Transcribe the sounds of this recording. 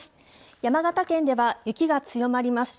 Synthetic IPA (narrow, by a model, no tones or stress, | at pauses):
sɨ̥ | jamaɡat̪akẽ̞nd̪e̞βajɯ̟kʲiɡat͡sɨjo̞maɾʲimasɨ̥